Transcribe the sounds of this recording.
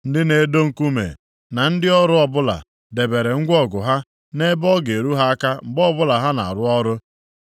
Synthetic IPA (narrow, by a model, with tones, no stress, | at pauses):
n̩˦dɪ˦ne˨˦do˦ŋ̩˨ku˦mḛ˨ | na˨n̩˦dɪ˦ɔ˦ɾʊ˦ɔ˦bʊ˦la̰˨ | de˨be˨ɾe˨ŋ̩˦ɡʷɔ˦ɡʊ˨ɦa˦ | ne˦bɔ˦ɡe˨ɾu˦ɦa˦a˦ka˦m̩˨bɔ˦bʊ˦la˨ɦa˦na̰˨a̰˨ɾʊ˦ɔ˦ɾʊ˦